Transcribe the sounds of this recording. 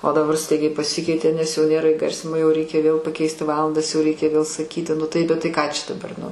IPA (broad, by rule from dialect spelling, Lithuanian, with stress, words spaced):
oː dɐˈbɐr ˈstɐɪɡʲɛɪ pɐˈsʲɪkʲɛɪtʲeː nʲɛs jɛʊ ˈnʲeːrɐ ɪˈɡɐrʲsʲɪnʲɪmoː jɛʊ ˈrʲɛɪkʲɛ ʋʲeːlˠ pɐˈkʲɛɪsʲtʲɪ ˈʋɑːlˠɐndɐs jɛʊ ˈrʲɛɪkʲɛ ʋʲeːlˠ sɐˈkʲiːtʲɪ ˈnʊ tɐɪ bʲɛt ˈtɐɪ ˈkɑː t͡ʃʲɛ dɐˈbɐr nʊ